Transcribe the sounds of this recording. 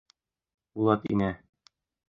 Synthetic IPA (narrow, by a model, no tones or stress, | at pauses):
bulˠɑt̪ḭnæ